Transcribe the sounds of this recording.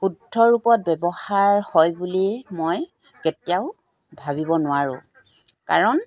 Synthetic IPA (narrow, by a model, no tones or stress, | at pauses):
xudʱːɔɹupɔt̚bɛbɔhaɹhɔjbulimoj | ketiaʊ | bʱabibɔnʊwaɹʊ̰̃ | ka̰ɹɔn